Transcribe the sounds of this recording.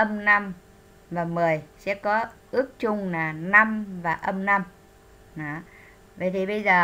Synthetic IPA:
ʔə˧mna˧m | vaː˨˩mɨ˨˩əjsɛ̰˧˥kɔ˨˦ʔɨ˦˥ək̚t͡ɕʊ˧ŋ͡mnaː˨˩na˧mvaː˨˩ʔə˧mna˧m | nɔ˨˦ | və˨˩jt̪ʰi˨˩ɓə˧jzəː˨˩

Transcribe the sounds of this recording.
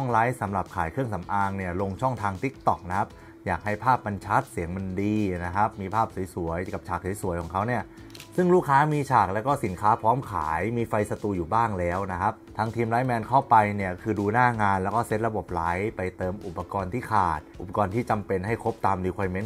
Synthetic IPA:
ŋla˦˥jsa˩˦mɾa˨˩p̚kʰaː˨˩˦jkʰɯ˥˩əŋsa˩˦mʔaː˧ŋni˥˩ɐlo˧ŋt͡ɕʰɔ˥˩ŋt̪ʰaː˧ŋt̪i˦˥k̚t̪ɔ˨˩k̚na˦˥kʰa˦˥p̚ | jaː˨˩k̚ha˥˩jpʰaː˥˩p̚ːa˧nt͡ɕʰa˦˥t̪̚si˨˩˦əŋma˧ndiː˧na˦˥kʰa˦˥p̚miː˧pʰaː˥˩p̚su˩˦jsu˨˩˦əjka˨˩p̚t͡ɕʰaː˨˩k̚su˩˦su˩˦jkʰɔː˩˦ŋkʰa˦˥wni˥˩ɐ | sɯ˥˩ŋluː˥˩kʰaː˦˥miː˧t͡ɕʰaː˨˩k̚lɛː˦˥wkɔː˥˩si˩˦nkʰaː˦˥pʰɔː˦˥mkʰa̰ː˩˦jmiː˧fa˧jsa˧t̪uː˧juː˨˩baː˥˩ŋlɛː˦˥wna˦˥kʰa˦˥p̚t̪ʰaː˦˥ŋt̪ʰiː˧mla˦˥jmɛː˧nkʰa˥˩wpa˧jni˥˩ɐkʰɯː˧duː˧naː˥˩ŋaː˧nlɛ˦˥wkɔː˥˩se˦˥t̪̚ɾa˧bo˨˩p̚la˦˥jpa˧jt̪ɤː˧mʔu˨˩pːa˧kɔː˧nt̪ʰiː˥˩kʰaː˨˩t̪̚ʔu˨˩pa˧kɔː˧nt̪ʰiː˥˩t͡ɕa˧mpe˧nɦa˥˩jkʰo˦˥p̚t̪aː˧mliː˧kʰwaː˧jme˦˥n

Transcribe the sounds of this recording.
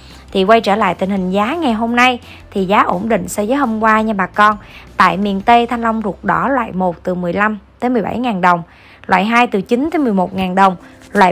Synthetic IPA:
t̪ʰi˨˩kwa˧jt͡ɕəː˧˩la̰ː˧˨jt̪ï˨˩ŋ̟hï˨˩ŋ̟zaː˨˦ŋa˨˩jɦo˧mna˧j | t̪ʰi˨˩zaː˨˦ʔo˧˩nɗḭ̈˧˨ŋ̟sɛ˧zəː˨˦jho˧ŋ͡mkwaː˧ɲa˧ɓaː˨˩kɔ˧nt̪a̰ː˧˨jmḭ˧˨ənt̪e˧t̪ʰa˧jŋ̟lə˧wŋ͡mzu˨˩ək̚ɗɔ˧˦lwa̰ː˧˨jmo˨˩t̚t̪ɨ˨˩mɨ˨˩əjla˧mt̪əː˨˦jmɨ˨˩əjɓa̰˧˩jŋaː˨˩nɗə˨˩wŋ͡m | lwa̰ː˧˨jɦaː˧jt̪ɨ˨˩t͡ɕi˨˦nt̪əː˨˦m˨˩əjmo˨˩t̚ŋaː˨˩nɗə˨˩wŋ͡mlwa̰ː˧˨

